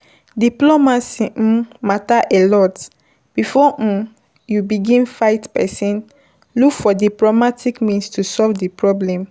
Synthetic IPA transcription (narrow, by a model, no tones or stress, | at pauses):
diplomasĩmataʔɛlɔt | b̥ifɔʔ̩ | jubiɡĩnfaɪtpɛsɛ̃n | lukfɔdiplomatʰikmĩnstusɔlvdipɹɔblɛ̃m